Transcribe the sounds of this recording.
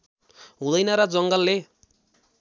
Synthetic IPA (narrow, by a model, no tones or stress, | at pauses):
ɦũd̪ʌjnʌɾʌd͡zʌŋɡʌlːe